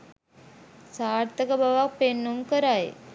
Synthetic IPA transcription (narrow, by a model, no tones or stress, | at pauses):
saːɾt̪əkəbaʋak̚penːumkəɾaj